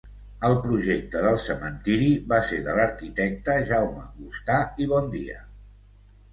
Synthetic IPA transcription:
əlˠpɾuʒek̚t̪əðəlˠsəmənt̪iɾiβaseɾðələɾkit̪ɛk̚t̪əʒawməɣust̪aiβɔnd̪iə̰

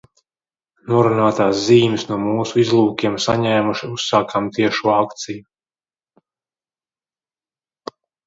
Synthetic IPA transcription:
nuɔɾunaːt̪aːsziːmɨsnuɔmuːsuizlˠuːkʲiɛmsaɲɛːmuʃiusːaːkʰamt̪iɛʃuɔakt̪siju

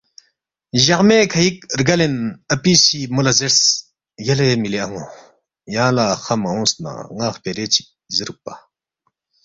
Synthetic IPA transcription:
ʑaχmekʰajik̚rɡalenəpisimolazeɾs | jalemileaŋo | jãːlaχamaɦõsna̰ŋaχpeɾet͡ɕʰi̥zəɾuk̚pa

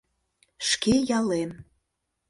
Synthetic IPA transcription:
ʃkejɑlem

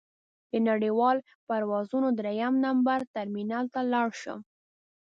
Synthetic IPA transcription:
d̪̥ənaɽiwɑl | paɾwɑzunod̪ɾejamnambaɾt̪aɾminalt̪alɑɽʃə̰

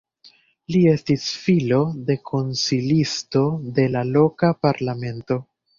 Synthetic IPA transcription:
lie̞stisfilo̞de̞kʰo̞nsilisto̞de̞lalo̞kapaɾlame̞nto̞

